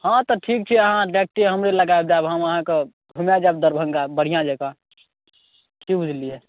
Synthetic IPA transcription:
hãt̪ɔʈʰik̚t͡ʃʰiəɦãɖek̚ʈeɦəmɾeləɡaebd͡ʒaebɦəməɦãke | bʱumjad͡ʒab̚d̪əɾbʱə̃ŋɡabəɽ̤ijãd͡ʒaka | kibʱud͡ʒʱliɦɛ

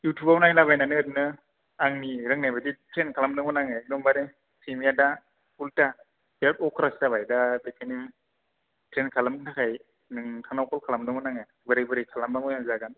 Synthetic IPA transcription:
jutʰubawnajlabajnanɯɾnɯ | aŋniɾɯŋnajbaditʰɾenkʰalamdɯŋɔnaŋadɔŋbade | sʰimijada | pulta | bepɔkʰɾastabajdabekʰenim | tʰɾenkʰalamtʰakʰaj | nɯŋtʰanawkʰɔlkʰalamdɯŋmɔnaŋa | bɯɾajbɯɾejkʰalambamɔjazaɡan

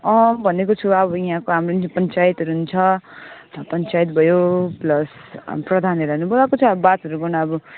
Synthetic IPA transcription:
ʌbʱʌnekot͡sʰuʌbʌjɦãkoɦamropʌnt͡sajit̪ɦʌɾuɦunt͡sʰʌ | pʌnt͡sajit̪̚bʱʌjoplʌs | prʌd̪ʱanʌɾanubolakot͡sʰʌbat̪ɦʌɾubʌnʌʌbʌ

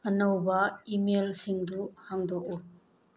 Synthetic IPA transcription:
ɐnɐwbɐimelsiŋduhaŋdɔk̚u

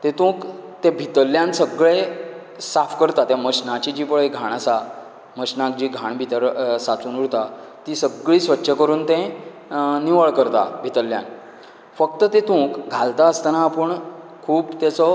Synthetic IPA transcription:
t̪ẽt̪ũːkt̪ẽbʱit̪əlːjãnsəɡɭe | safkəɾt̪at̪jaməɕnãt͡ɕid͡ʑiːpəɭeɡʱaɽ̃asa | məɕnãk̚d͡ʑiːɡʱãɳbʱit̪əɾsat͡suːnuɽt̪a | t̪isəɡɭiːsʋətːɕʰəkəɾuːnt̪ẽ | niʋəɭkəɾt̪a̰bʱit̪əlːjã̰n | fək̚t̪ət̪et̪ũːkɡʱalt̪aəst̪anaːpəɳ | kʰuːbt̪at͡sɔ

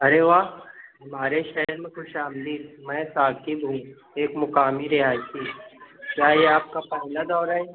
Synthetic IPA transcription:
ɐɾeʋaːɦɐmaːɾeʃɛɦɾmẽxʊʃaːmd̪iːɾmɛ̃ːsaːkibɦũ | eːkmʊkaːmiɾɪɦaːisikjaːeaːp̚kapɛɦlad̪ɔːɾaɦeː

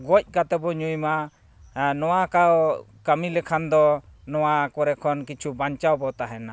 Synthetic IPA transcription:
ɡɔc̚ˀkat̪ɛbɔɲujma | nɔwakaw | kamilɛkʰand̪ɔnɔwakɔɾɛkʰɔnkit͡ʃʰubaɲt͡ʃawbɔt̪aɦɛna

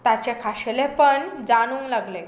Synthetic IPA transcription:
t̪at͡ɕekʰaɕelẽpəɳd͡zaɽ̃uːnlaɡle

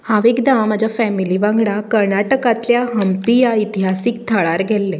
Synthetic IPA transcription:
hãʋekd̪amad͡ʑafɛmiliʋãŋɡɭakəɾnaʈəkat̪ljaɦəmpijait̪iɦasik̚t̪ʰəɭaɾɡʱɛlːẽ

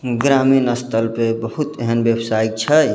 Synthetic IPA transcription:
ɡɾaːminəst̪ʰəlpebəhut̪ɛɦənbewsaːik̚t͡ʃʰɛ

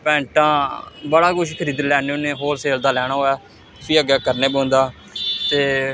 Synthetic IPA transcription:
pɛ̃ːɳʈãːbəɽaːkʊʃkʰəɾiːd̪lɛːneːʊnẽːɦoːlseːld̪aːlɛːɽ̃aːɦoːɛː | t̪ʊsiːəɡɛːkəɾneːbõːnd̪aː | t̪eː

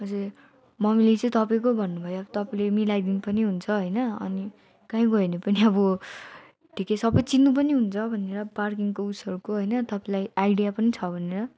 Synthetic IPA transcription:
ʌd͡zur | mʌmilet͡sʌĩt̪ʌpaĩkobʱʌnːubʱʌjobt̪ʌpalemilajd̪inipʌniɦunt͡sʰʌɦʌjnʌʌ̰ni | kãɦĩɡʱʌenepʌniʌbʌ | ʈʰikesʌbʌjt͡sinːup̬ʌniɦunt͡sʰʌbʱʌnːeɾʌparkiŋkousʌɾukoɦʌjnʌt̪ʌpaĩlajajɽijapʌnit͡sʰʌbʱʌneɾʌ

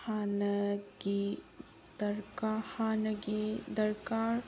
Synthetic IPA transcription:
haːnəɡi | d̪ɐɾkahaːnɐɡid̪ɐɾkaːɾ

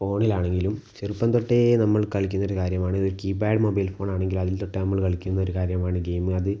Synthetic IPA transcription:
fo̞ːɳilaːɳe̞ŋɡilumt͡ɕerupːɐnt̪o̞ʈːenɐmːɐɭkɐɭikʲːunːoɾukaːɾjɐmaːɳɨoɾukiːbaːɖɨmobɐjlfo̞ːɳaːɳe̞ŋɡilumɐðilt̪oʈːenɐmːɐɭkɐɭikʲːunːɐo̞ɾukaːɾjɐmaːɳɨɡejmɨɐðɨ

